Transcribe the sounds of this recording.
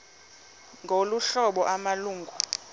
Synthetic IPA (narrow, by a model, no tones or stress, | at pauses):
ŋɡʱoluɬɔɓɔʔamaluːŋɡʱu